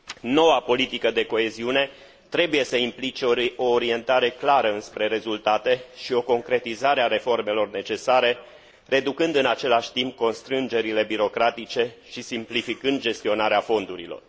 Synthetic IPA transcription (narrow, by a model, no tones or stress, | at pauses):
no̞wapo̞lit̪ikəd̪e̞ko̞e̞ziune̞ | t̪ɾe̞buje̞səimplit͡ʃe̞o̞ːɾie̞nt̪aɾe̞klaɾəɨnspɾe̞ɾe̞zult̪at̪e̞ʃio̞ko̞ŋkɾe̞t̪izaɾeaɾe̞fo̞rme̞lo̞rne̞t͡ʃe̞saɾe̞ | re̞d̪ukɨnd̪ɨnat͡ʃe̞laʃʲt̪imp̚ko̞nst̪ɾɨnd͡ʒe̞ɾile̞biɾo̞kɾat̪it͡ʃe̞ʃisimplifikɨnd̪̚d͡ʒe̞st̪io̞naɾeafo̞nd̪uɾḭlo̞̰r